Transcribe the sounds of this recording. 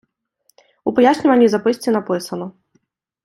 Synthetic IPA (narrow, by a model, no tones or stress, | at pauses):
upajasʲnʲivɐnʲizapɨsʲt͡sʲinapɨsɐnu